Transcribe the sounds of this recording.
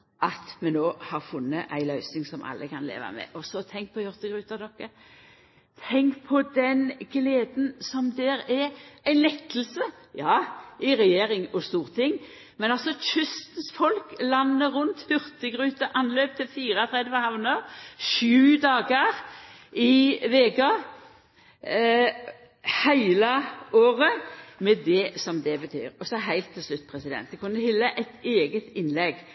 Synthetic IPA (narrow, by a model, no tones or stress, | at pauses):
ʔɑt̪mɛnoːhɑʁfʊnːəʔæ̰ɪlœʏsnɪŋsɔmʔɑ̰lːəkʰɑnlḛːʋa̰mɛ̰ʔɔsɔt̪ʰɛŋk̚pʰɔjʉʁt̪əɡɾʉːt̪əd̪ɔkːə | t̪ʰɛŋkpʰɔd̪ɛnɡleːd̪n̩sɔmd̪ɛɾɛæɪnlɛkːəlsə | jɑːɪɾɛjeːɾɪŋɔst̪uːʁt̪ʰɪŋː | mɛnɑlsɔt͡ʃʏst̪ən̩sfɔlklɑnːəɾʊnt̪hʏʁt̪əɡʁʉːt̪əʔɑnløːp̚t̪ʰɪlfiːʁət̪ʰʁɛd̪jəhɑʋnəʃʉːd̪ɑːɡəʁ | ɪʋeːɡɑ | hæɪləoːʁəmɛd̪ɛsɔmd̪ɛbət̪ʰy̰ːɾɔsɔɦæɪlt̪ʰːɪlslʉt̪̚ːpʰʁɛsɪd̪ɛ̰nt̪̚d̪ɛkʰʊnːəhɪlːəʔæɪt̪eːɡət̪ɪnlɛɡ